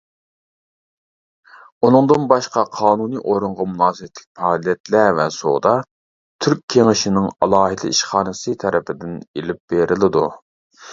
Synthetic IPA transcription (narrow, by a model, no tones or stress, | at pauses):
unɨŋd̪ɨnbɑʃqɑqʰɑːnunɨʔoɾuɴʁɑmunɑːzɛt̪ʰlɪk̚ʲpʰɑːlˠijɛt̪lævɛso̰d̪ɑ | t̪ʰyɾkʲʰːeŋɪʃinɪŋɑ̰lˠɑːɦɨd̪ɪ̰iʃχɑːnɨsɨt̪ʰɛɾɪpʰɪd̪ɪnelɪp̚b̥eɾɪlɪd̪u